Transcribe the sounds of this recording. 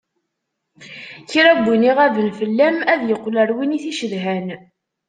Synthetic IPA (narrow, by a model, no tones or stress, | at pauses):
çɾæɡʷːiniʁævənfəlːæmæðjəqːləɾwiniθiʃəðɦæn